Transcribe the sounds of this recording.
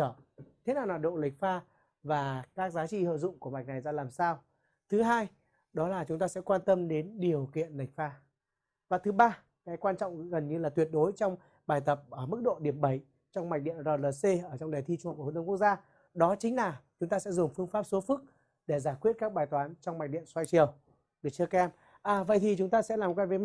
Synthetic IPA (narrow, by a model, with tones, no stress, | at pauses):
əː˧˩t̪ʰe˨˦naː˨˩wnaː˨˩ɗo̰˧˨lï˨˩k̚faː˧ | vaː˨˩kaː˦˥k̚zaː˨˦t͡ɕḭ˧˨hə̰ː˧˨zʊ̰˧˨ŋ͡mku˧˩əma˨˩jk̟̚na˨˩jzaː˧laː˨˩msaː˧w | t̪ʰɨ˨˦ɦaː˧j | ɗɔ˨˦laː˨˩t͡ɕʊ˨˦ŋ͡mt̪aː˧sɛ̰˧˥kwaː˧nt̪ə˧mɗe˨˦nɗi˨˩əwkḭ˧˨ənlï˨˩k̟̚faː˧ | vaː˨˩t̪ʰɨ˨˦ɓaː˧ | kaː˨˦jkwaː˧nt͡ɕɔ̰˧˨wŋ͡mɣə˨˩nɲɨ˧laː˨˩t̪wi˨˩ət̚ɗo˨˦jt͡ɕɔ˧wŋ͡m | ɓaː˨˩jt̪ə˨˩p̚ʔəː˧˩mɨ˦˥k̚ɗo̰˧˨ɗi˧˩əmɓə˧˩j | t͡ɕɔ˧wŋ͡mma˨˩ɗḭ˧˨ənzɔː˨˩ləː˨˩se˧ʔəː˧˩t͡ɕɔ˧wŋ͡mɗaː˨˩t̪ʰi˧t͡ɕh̪̚ə˧kk̚zaː˧ | ɗɔ˨˦t͡ɕï˨˦ŋ̟laː˨˩t͡ɕʊ˨˦ŋ͡mt̪aː˧sɛ̰˧˥zʊ˨˩ŋ͡mfɨ˧əŋfaː˦˥p̚so˨˦fɨ˦˥k̚ | ɗe˧˩zaː˧˩jkwi˦˥ət̚kaː˦˥k̚ɓaː˨˩jt̪waː˨˦nt͡ɕɔ˧wŋ͡mma˨˩ɗḭ˧˨ənswa˧jt͡ɕi˨˩əw | ɗe˨˧˩t͡ɕɨ˧əkɛ˧m | ʔaː˨˩və̰˧˨jt̪ʰi˨˩t͡ɕʊ˨˦ŋ͡mt̪aː˧sɛ̰˧˥laː˨˩m˨˩kwa˧və˨˦j